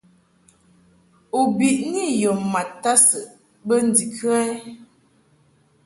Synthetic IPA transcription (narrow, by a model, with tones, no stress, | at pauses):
u˨bi˨ʔni˦jo˨ma˨tːa˦sə˨ | bə˦n̩˦di˨kʰɰa˦